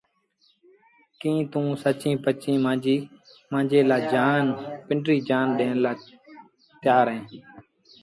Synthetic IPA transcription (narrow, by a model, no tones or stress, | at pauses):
kĩːt̪ũːsət͡ʃĩːpət͡ʃĩːmãːd͡ʒiː | mãːd͡ʒeːlaːd͡ʒaːnpɪɳɖɾiːd͡ʒaːnɗẽːnlaː | t̪ɪjaːɾɦẽː